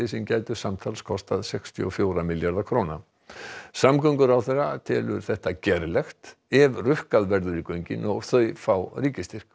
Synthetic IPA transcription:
ɪsɛmcaːjt̪ʏ̥samt̪ʰalskʰɔst̪aðsɛkst̪ʰjʏ̰ɔfjoːwɾamɪljaɾðakʰɾoːna | samkœɥŋkʏɾawθɛrat̪ʰɛːlʏ̰ɾ̥θɛht̪acɛɾlɛxt̪ | ɛvrʏhkaðvɛɾðʏɾɪkœɥɲcɪ̰nɔɣθœɥfawriːcɪst̪ɪr̥k

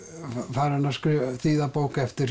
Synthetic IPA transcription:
faːɾanaskɾyθiːðapowkɛft̪ɪɾ

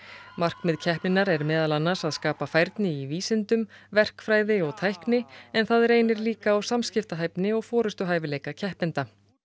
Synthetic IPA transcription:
mar̥kmɪðcʰɛhpnɪnaɾɛɾmɛːðalanːasaðskaːpafajɾt̪nɪiviːsɪnt̪ʏmvɛr̥kfɾaːjðɪɔɣt̪ʰajhknɪɛnθaðɛɾeːjnɪɾliːkaːwsamscɪft̪aɦajpnɪɔɣfɔːɾʏst̪ʏɦaːjvɪleːjkacʰɛhpɪnt̪a

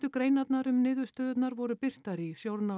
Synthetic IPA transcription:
t̪ʏkɾeːjnat̪naɾʏmnɪːðʏst̪œːðʏt̪naɾvɔɾʏpɪr̥t̪aɾisjowɾna

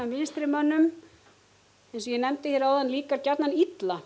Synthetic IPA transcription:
amvɪnst̪ɾɪmœnːʏm | ɛnsɔjɛnɛmt̪ɪθçjɛɾawðanliːkaɾcat̪nanit̪la

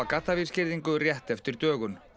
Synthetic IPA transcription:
akat̪ːavir̥scɪɾðiŋkʏrjɛht̪ɛft̪ɪɾt̪œːɣʏn

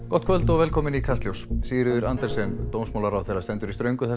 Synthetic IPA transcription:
kɔt̪kʰvœlt̪ɔɣvɛːlkʰɔːmɪnikʰanst̪ljowssiːɾɪðʏɾant̪ɛɾsɛnt̪oːwmsmawlaɾawθejrːaɾt̪ɛnt̪ʏɾist̪ɾœɥŋkʏθɛ

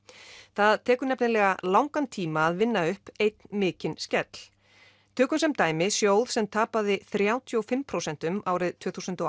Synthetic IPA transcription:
θaðt̪ʰɛːkʏɾnɛpnɪlɛɣalawŋkant̪ʰiːmaːðvɪnːaʏhpejt̪̚nmɪːcɪnscɛt̪l | t̪ʰœːkʏmsɛmt̪aːjmɪsjoːwð̥sɛmt̪ʰaːpaðɪθɾjaːwt̪ʰiɔfɪmpʰɾowsɛn̥t̪ʏmaːwɾɪðt̪ʰvʏːθusʏnt̪ɔ

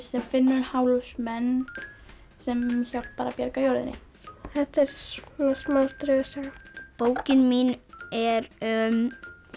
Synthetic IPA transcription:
sɛmfɪnːʏɾʏnhaːwlusmɛnː | sɛmçal̥t̪̚paːɾapjɛɾkajoːɾðɪnːɪ̰ | θɛht̪ɛɾ̥nasmawlt̪ɾœsaɣpoːwcɪnminɛɾʏm

